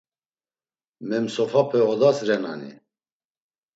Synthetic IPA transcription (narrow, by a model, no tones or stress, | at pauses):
mɛmsɔfʰapʰɛɔd̪asɾɛna̰nḭ